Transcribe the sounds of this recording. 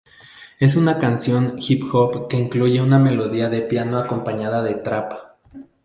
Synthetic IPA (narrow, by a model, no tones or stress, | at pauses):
e̞s̬unakansjoŋxipxopke̞iŋkluʝe̞unameloðiaðepjanoakompaɲaðaðe̞t̪ɾapḁ